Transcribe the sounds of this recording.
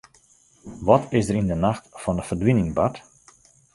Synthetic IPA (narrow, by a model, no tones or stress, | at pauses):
ʋɔtʰɪsdəɾɪndənaxtfɔndəfərdwinɪŋbat